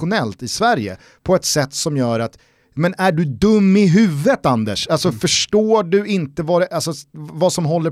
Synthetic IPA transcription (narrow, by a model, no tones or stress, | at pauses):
ʊnɛlt̪ɪsvæɾjə̰ | pʰɔɛt̪sɛt̪ːsɔmjœːɾat̪ | mɛnæɖɵd̪ɵmːɪɦʉ̟ːvət̪and̪əʂalsɔfœʂʈoːɖɵɪnt̪əvɑɾɛʔalsɔvasɔmɦɔlːə